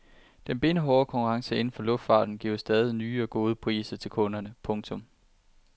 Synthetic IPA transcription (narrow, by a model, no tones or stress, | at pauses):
d̥enb̥e̝nəɦɒːkʰɒ̽ŋkʰuʁɑ̈ŋsəe̝n̩fɒ̽lɔ̽fd̥fɑ̰̈ːd̥n̩ɡ̥iʊsd̥ɛːð̞ˠinyːɒ̽ɡ̥o̝ːð̞ˠəpʰʁḭːsɐt͡sʰe̝lkʰɔ̽nɐnəpʰɔ̽ŋt͡sʰɔ̽m